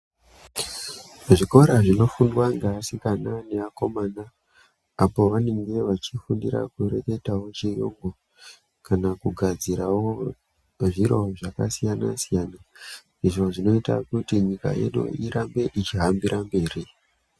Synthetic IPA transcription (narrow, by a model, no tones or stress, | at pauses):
ʐiko̞ɾaʐino̞fundwaŋɡaːsikananeako̞maːna | apo̞ʋane̞ŋɡe̞ʋat͡ʃifundiɾa̰kuɾeke̞tawo̞t͡ʃejo̰ːŋɡo | kanakuɡʱad͡ziɾawo | ʐiɾoʐakasijana̰sijana | iʐo̞ʐino̞ita̰kutiɲika̰jḛɗṵiɾambe̞ʔit͡ʃiɦambiɾʔambe̞ːri